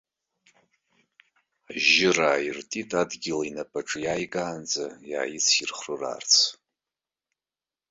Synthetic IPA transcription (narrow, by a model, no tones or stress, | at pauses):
ʒɪraːirtʼitʼadɡʲɪlainapʼaʈ͡ʂʼjaːjɡʼaːnd͡zaja̰ːjɪt͡sʰirχrɨra̰rt͡sʰ